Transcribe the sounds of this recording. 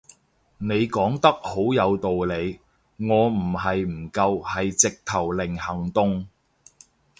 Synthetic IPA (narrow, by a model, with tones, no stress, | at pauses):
ne˨˧jkɔː˨˥ŋt̪ɐ˥k̚ho˨˥wjɐ˨˧wt̪o˨wle˨˧j | ŋɔː˨˧m̩˨˩hɐ˨jm̩˨˩kɐ˧whɐ˨jt͡sɪ˨k̚t̪ʰɐ˨˩wlɪ˨˩ŋhɐ˨˩ŋt̪ʊ˧ŋ